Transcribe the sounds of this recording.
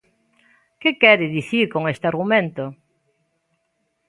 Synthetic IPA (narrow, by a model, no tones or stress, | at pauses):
kɪkɛɾɪðiθiɾkoŋest̪ɪaɾɣumẽnt̪o